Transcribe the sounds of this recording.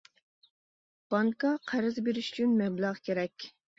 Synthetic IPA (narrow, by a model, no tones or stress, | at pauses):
b̥ɑŋkɑqʰæɾɪzbeɾɪʃy̥t͡ʃʰynmɛblæʁkʲʰeɾɛkʲ